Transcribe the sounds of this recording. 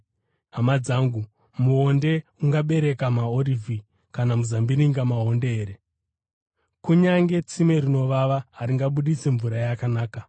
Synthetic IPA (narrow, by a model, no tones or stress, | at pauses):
ɦamad͡zaːŋɡu | muɦo̞nde̞uŋɡaɓe̞ɾe̞kamaorivi | kanamuzambiɾiŋɡamaɦo̞ndeeːɾe | kuɲaŋɡe̞t͡sime̞rino̞ʋaʋaɦaɾiŋɡaɓuɗit͡seɱvuɾajakanaːka